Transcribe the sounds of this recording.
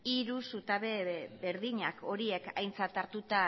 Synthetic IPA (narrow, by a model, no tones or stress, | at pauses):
iɾusut̪aβebe̞ɾðiɲako̞ɾie̞ka̰jnt͡sat̪aɾt̪ut̪a